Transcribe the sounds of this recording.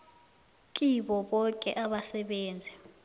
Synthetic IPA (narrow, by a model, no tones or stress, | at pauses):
k̬ʼiɓɔɓɔkʼɛ̰ʔaɓasɛɓeːnd͡zʱɛ